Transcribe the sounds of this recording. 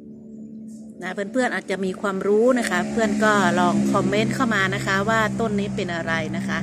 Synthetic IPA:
na˦˥˩pʰɯː˧˥˩npʰɯ˥˩ənʔaː˨˩t̪̚t͡ɕa˨˩ʔmiː˧kʰwaː˧mɾuː˦˥na˦˥kʰa˦˥pʰɯ˥˩ənkɔː˥˩lɔː˧ŋkʰɔ˧mːe˦˥nkʰa˥˩wmaː˧na˦˥kʰa˦˥waː˥˩t̪o˥˩nːiː˦˥pe˧nʔa˧ɾa˧jna˦˥kʰa˦˥ʔ

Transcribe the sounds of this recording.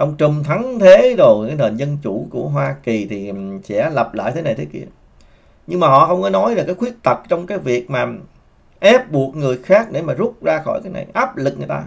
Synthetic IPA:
ʔə˧wŋ͡mt͡ɕə˨˩mt̪ʰa˨˦ŋt̪ʰe˨˦zo˨˩jkaː˨˦jne˨˩nzə˧nt͡ɕu˧˩ku˧˩əɦwaː˧ki˨˩t̪ʰi˨˩sɛ̰˧˥lə˨˩p̚la̰ː˧˨jt̪ʰe˨˦na˨˩t̪ʰːkḭ˧˩ə | ɲɨ˧ŋmaː˨˩ɦɔ̰˧˨xə˧wŋ͡mkɔː˨˦jnɔ˨˦jva˨˩kaː˨˦jxwi˦˥ək̚t̪ə˨˩t̚t͡ɕɔ˧wŋ͡mkaː˨˦jvi˨˩ək̚maː˨˩ | ʔɛ˦˥p̚ɓu˨˩əkt̚ŋɨ˨˩əjxaː˦˥k̚ɗe˧˩maː˨˩zu˦˥p̚zaː˧xɔ̰˧˩jkaː˨˦jna̰˨˩jʔaː˦˥p̚lɨ˨˩k̚ŋ˨˩jt̪aː˧

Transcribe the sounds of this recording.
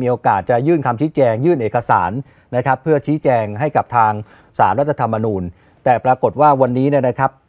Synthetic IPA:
miː˧ʔoː˧kaː˨˩t̪̚t͡ɕa˨˩jɯː˥˩nkʰa˧mt͡ɕʰiː˦˥t͡ɕɛː˧ŋjɯː˥˩nʔeː˨˩ka˧sa̰ː˩˦n | na˦˥kʰa˦˥pʰːɯ˥˩ɐt͡ɕʰiː˦˥t͡ɕɛː˧ŋɦa˥˩jka˨˩p̚t̪ʰaː˧ŋ | sa̰ː˩˦nɾa˦˥t̪ʰːa˧t̪ʰa˧mːa˧nuː˧n | t̪ɛː˨˩pɾaː˧ko˨˩t̪̚waː˥˩wa˧nːiː˦˥ni˥˩ɐna˦˥kʰa˦˥p̚

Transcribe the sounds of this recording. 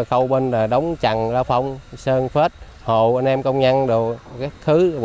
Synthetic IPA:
xə˧wɓə˧nlaː˨˩ɗə˨˦wŋ͡mt͡ɕa̰˨˩ŋzaː˧fa˧wŋ͡msəː˧nfe˦˥t̚ | ho˨˩ʔa˧nʔɛ˧mkə˧wŋ͡mɲa˧nɗɨ˨˩kaː˦˥k̚xɨ˨˦

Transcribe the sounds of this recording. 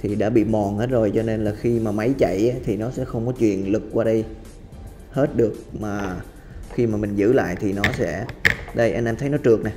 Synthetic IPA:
t̪ʰi˨˩ɗa̰ː˧˥ɓḭ˧˨mɔ˨˩ŋhe˦˥t̚zo˨˩jt͡ɕɔ˧ne˧nlaː˨˩xi˧maː˨˩ma˨˦jt͡ɕa̰˧˨jʔaː˨˦t̪ʰi˨˩nɔ˨˦sɛ̰˧˥xə˧wŋ͡mkɔ˨˦t͡ɕwḭ˨˩ənlɨ˨˩k̚kwaː˧ɗə˧j | he˦˥t̚ɗɨ˨˩ək̚maː˨˩ | xi˧maː˨˩mï˨˩ŋ̟zɨ̰˧˥la̰ː˧˨jt̪ʰi˨˩nɔ˨˦sɛ̰˧˥ɗə˧jʔa˧nʔɛ˧mt̪ʰə˨˦jnɔ˨˦t͡ɕɨ˨˩ək̚na˨˩j

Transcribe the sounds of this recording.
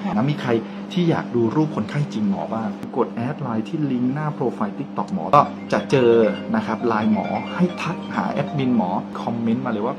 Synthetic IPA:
na˦˥miː˧kʰɾa˧j | t̪ʰiː˥˩ja̰ː˨˩k̚duː˧ɾuː˥˩p̚kʰo˧nkʰa˥˩jt͡ɕi˧ŋmɔ̰ː˩˦baː˥˩ŋkɯː˧ko˨˩t̪̚ʔɛː˦˥t̪̚laː˧jt̪ʰiː˥˩li˦˥ŋnaː˥˩pʰɾoː˧fa˧jt̪i˦˥k̚t̪ɔ˨˩k̚mɔː˩˦kɔː˥˩ | t͡ɕa˨˩ʔt͡ɕɤː˧na˦˥kʰa˦˥p̚laː˧jmɔ̰ː˩˦ha˥˩jt̪ʰa˦˥k̚ha̰ː˩˦ʔɛ˦˥t̪̚mi˧nmɔː˩˦kʰɔ˧mːe˦˥nmaː˧lɤ˧jwaː˥˩

